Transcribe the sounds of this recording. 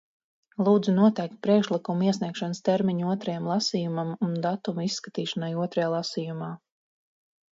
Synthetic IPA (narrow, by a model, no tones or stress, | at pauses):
lˠuːd̪zunuɔt̪ɛjk̚t̪̚pɾiɛkʃlˠikumuiɛsniɛkʃanst̪ɛɾmiɲuɔt̪ɾajamlˠɑsiːjumamund̪at̪umisːkat̪iːʃanajuɔt̪ɾajaːlˠasiːjumaː